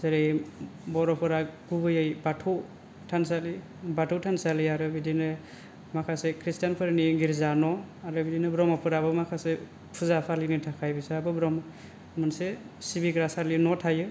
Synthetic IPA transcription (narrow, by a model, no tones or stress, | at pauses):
seɾejbɔɾɔpʰɯɾaɡubɯjɯjbatʰɔ | tʰansali | batʰuwtʰansaliaɾɯbidinɯ | makʰasekʰɾistijanpʰɯɾniɡiɾzanɔaɾɯbidinɯbɾɔmɔpʰɯɾabɯmakʰase | pʰuzapʰalinɯtʰakʰajbisaabɯbɾɔm | manse | sibikɾasalinɔtʰajɯ